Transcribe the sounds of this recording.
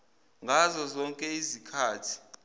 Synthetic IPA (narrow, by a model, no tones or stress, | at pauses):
ŋɡʱazɔzɔŋkʼɛizikʰaːtʰi̥